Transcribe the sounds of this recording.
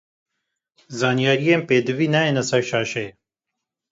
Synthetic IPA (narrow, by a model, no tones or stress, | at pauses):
zaːnijaːɾijeːmpeːd̪ɨviːnaːeːnɐsɐɾʃaːʃe